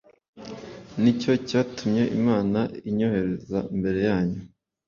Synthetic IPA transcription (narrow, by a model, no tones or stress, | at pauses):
nico̞caːtumɲe̞ʔḭmaːnaiɲo̞he̞ɾezaimbe̞ɾe̞jaːɲu